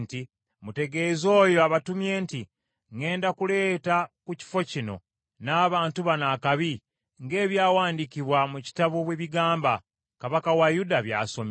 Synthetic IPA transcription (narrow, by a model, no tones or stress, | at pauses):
nti | mute̞ɡe̞zo̞ːjoaβatumje̞ːnti | ŋe̞ːndakule̞ːtakuci̥fo̞cino̞̰ | naːβaːntuβanaːkaβi | ŋɡe̞ːβjaːwaːndiciβwamuci̥taβoβweβiɡaːmba | kaβakawajudaβja̰ːso̞m